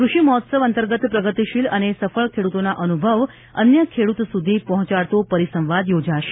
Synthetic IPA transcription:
kɾuʃiməɦɔt̪səʋənt̪əɾɡət̪pɾəɡət̪iʃilənesəfəɭkʰeɽut̪onaʔənubʱəʋ | ə̰njəkʰeɽut̪sud̪ʱipəɦɔ̃t͡ʃaɭt̪opəɾisə̃ʋʋad̪jod͡ʒaʃe̥

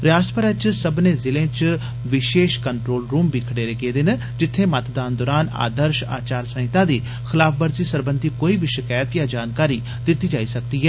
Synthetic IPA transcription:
ɾjaːsʈəpəɾɛːt͡ʃsəbnẽːzɪlẽːt͡ʃ | ʋɪʃeːʃkəɳʈɾoːlɾuːmbiːkʰəɽeːɾeːɡeːd̪ɪn | d͡ʒɪt̪ʰːẽːmət̪d̪aːnd̪ɔːɾaːna̰ːd̪əɾʃa̰ːt͡ʃaːɾsə̃ɪt̪ãːd̪iː | xɪlaːpʰbəɾziːsəɾbənd̪ʱiːkoːiːbiʃɪkaːjət̪jãːd͡ʒaːnkaːɾiː | d̪ɪt̪ːiːd͡ʒaːiːsək̚d̪iːɦɛː

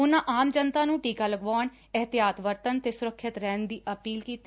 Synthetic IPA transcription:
ʊnãːʔaːmd͡ʒənt̪ãːnũːʈiːkaːləɡʋaːɳ | ɪɦt̪ɪjaːt̪ʋəɾt̪ənt̪eːsʊɾəkʰːɪt̪ɾɛːnd̪iːʔəpiːlkiːt̪i

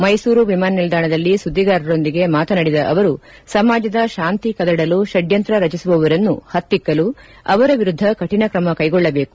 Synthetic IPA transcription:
mɐjsuːɾuʋimaːnɐnild̪aːɳɐd̪ɐlːisud̪ʱːiɡaːɾɐɾo̞nd̪iɡe̞maːt̪ɐnɐɽid̪ɐʔɐʋɐɾu | sɐmaːd͡ʒɐd̪ɐʃaːnt̪ikɐd̪ɐɽɐluʃɐɖjɐnt̪ɾɐɾɐt͡ʃisuʋɐʋɐɾɐnːuhɐt̪ːikːɐlu | ɐ̰ʋɐɾɐʋiɾud̪ʱːɐkɐʈinɐkɾɐmɐkɐjɡɔɭːɐbe̞ːku̥

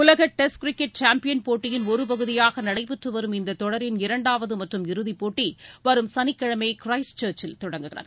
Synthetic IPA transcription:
ʊlɐɣɐʈːɛskɾɪkːɛʈ̚t͡ʃaːmpɪjɐnpoːʈːɪjɪnɔɾɯp̬ɐɣɯðɪjaːɣɐnɐɽɐɪpɪʈrɯʋɐɾɯmɪnd̪ɐt̪ːɔɽɐɾɪnɪɾɐɳɖaːʋɐðɯmɐʈrɯmɪɾɯðipoːʈːiʋɐɾɯmsɐnɪkːɐɻɐmɐɪkɾɐɪst͡ʃɐːɾt͡ʃɪlt̪ɔɽɐŋɡɯɣɪrɐ̰ð

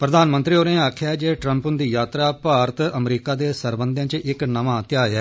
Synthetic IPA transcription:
pɾəd̪aːnmə̃nt̪ɾiːoːnẽːaːkʰjaːɛd͡ʒeːʈɾə̃mpʊnd̪iːjaːt̪ɾaːpaːɾət̪əmɾiːkaːd̪eːsəɾbənd̪ʱjãːt͡ʃʔɪknəʋãːt̪ɪjaːjɛː

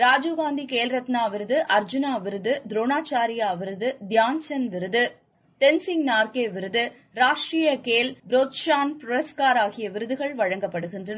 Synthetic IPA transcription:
ɾaːd͡ʒoːɣaːnd̪ikeːlɾɐt̪naːʋɪɾɯðɯʔɐɾd͡ʒɯnaːʋɪɾɯðɯd̪ɾoːnaːt͡ʃaːɾɪjaːʋɪɾɯðɯd̪jaːɲt͡ʃɐnʋɪɾɯðɯ | t̪ɛnsɪŋnaːɾkeːʋɪɾɯðɯ | ɾaːʂʈɾijɐkeːlbɾoːt̪ʃaːnpɾʊɾɐskaːɾaːɣɪjɐʋɪɾɯðɯɣɐɭʋɐɻɐŋɡɐpːɐɽɯɣɪndrɐnɐ

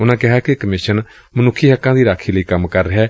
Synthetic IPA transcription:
ʊnãːkɪɦaːkekəmɪʃən | mənʊkʰːiːɦəkːãːd̪iːɾaːkʰiːləiːkəmkəɾːəɦɛː

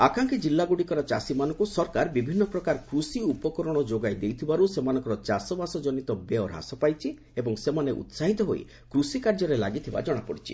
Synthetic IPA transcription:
akaŋkid͡ʒilːaɡuɽikɔɾɔt͡ʃasimanɔ̃ŋkusɔɾkaɾbibʱinːɔpɾɔkaɾkɾusiupɔkɔɾɔɽ̃ɔd͡ʒoɡajd̪ejt̪ʰibaɾusemanɔŋkɔɾɔt͡ʃasɔbasɔd͡ʒɔnit̪ɔbeɔɾɦa̰sɔpajt͡ʃʰi | ebɔŋsemaneʔṵt̪saɦit̪ɔɦo̰j̰ | kɾusikaɾd͡ʒɔɾela̰ɡit̪ʰiba̰d͡ʒɔɽ̃apɔɽit͡ʃʰḭ

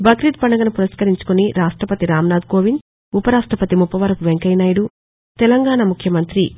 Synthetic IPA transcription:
bʱɐɡɾit̪̚pɐɳɐɡɐnupuɾɐskɐɾiɲt͡ʃu̥kuniɾaːʂʈɾɐpɐt̪iɾaːmnaːd̪̚koːʋin | upɐɾaːʂʈɾɐpɐt̪imupːɐʋɐɾɐkuʋeŋkɐjnaːjɽu | t̪ɛlɐŋɡaːɳɐmukʰjɐmɐnt̪ɾi

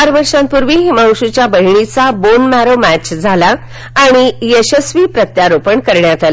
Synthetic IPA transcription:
aɾʋəɾʂãnt̪puɾʋiɦimãw̃ɕut͡ɕjabəɦiɳit͡sabonmæɾomæt͡ɕd͡zʱalaː | ɽ̃ijəɕəsʋiːpɾət̪jaɾopəɳkəɾɳjat̪al

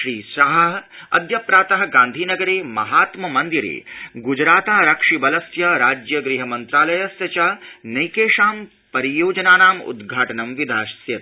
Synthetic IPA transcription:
ʃɾiːsɐɦɐɦɐ̰d̪ʱjɐpɾaːt̪ɐɦɐ̆ɡãːnd̪ʱiːnɐɡɐɾeːmɐ̰ɦaːt̪mɐmɐnd̪iɾḛːɡud͡ʒɾaːt̪aːɾɐkʂibɐlɐsjɐɾaːd͡ʒjɐɡɾiɦɐmɐnt̪ɾaːlɐjɐsjɐt͡ʃaːnɐjkeːʂaːm | pɐɾijoːd͡ʒɐnaːnaːmṵd̪ɡʱaːʈɐnɐmʋid̪ʱaːʃsjɐt̪

